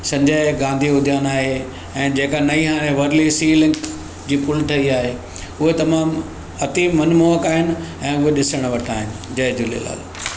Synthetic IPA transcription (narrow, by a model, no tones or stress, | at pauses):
sɐ̃ɲd͡ʑəɪɡãːnd̪ʱiʊd̪ʱjaːnaːɦe | ɛ̃ːd͡ʑeːkanɐiɦaːɽ̃ẽʋɐɾlisiːlɪ̃ŋk | d͡ʑiːpʊlʈʰɐiaːɦe | ʊɦet̪ɐmaːm | ɐt̪iːmɐnmoɦəkaːɦɪnɪ̆ɛ̃ːʊɦeɗɪsəɽ̃ʋɐʈʰaːɦɪnɪ̆d͡ʑɐɦɪd͡ʑulḛla̰ːl